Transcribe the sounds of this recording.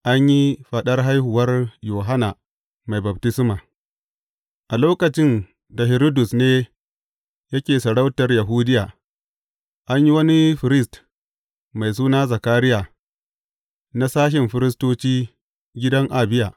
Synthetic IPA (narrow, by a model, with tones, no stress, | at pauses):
ʔa˦ɲji˦ɸɐ˨ɗɐ˦rɦa˦jhʊ˨wɐ˦rjoː˨ɦa˦naː˨ | ma˨jbɐ˨b̚tɪ˦smaː˨ | ʔa˨loː˦kɐ˨t͡ʃɪ˦n | da˨ɦɪ˨ɾo˦dʊ˨sneː˦ | jɐ˦kʲeː˨sɐ˨ɽa˦wtɐ˨rja˨ɦuː˦dɪ˦jaː˨ | ʔa˦ɲji˦wɐ˦ni˦ɸɪ˨ɾɪ˦st | ma˨js̬uː˦naː˦za˨kaː˦ɾɪ˦jaː˨ | na˦saː˦ʃ̬ɪ˨mɸɪ˦ɾɪ˦s̬toː˦t͡ʃiː˦ | ɡʲɪ˦dɐ˦ŋʔa˨bɪ˦jaː˨